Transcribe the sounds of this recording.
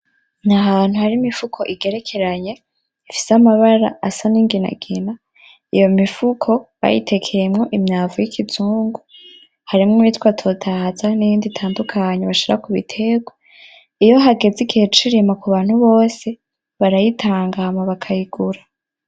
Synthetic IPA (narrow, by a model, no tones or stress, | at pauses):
naɦaβaːn̥huhaɾimifukʰo̞ʔiɡe̞ɾe̞kʰe̞ɾaɲe̞ | ifi̥samaβaɾa̰asaniŋɡina̰ɡ̥ina | ijo̞mifukʰo̞βa̰jḭtʰe̞kʰejemŋo̞ʔimɲaːvujikʰit͡suːŋɡu | haɾimŋomitwatʰotʰahzanijiːnditʰaːndukʰaɲeβaʃiɾakuβḭtʰe̞ɡwa | ijo̞ɦaɡe̞d͡ziɡihe̞t͡ʃiɾimakuβaːn̥huβo̞ːse̞ | βaɾajitʰaːŋɡahamaβakʰajiɡ̥uɾa